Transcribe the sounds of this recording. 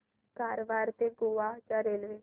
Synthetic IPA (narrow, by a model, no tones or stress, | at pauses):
kaːɾʋaːɾt̪eːɡoːaːd͡ʒãːɾeːlʋeː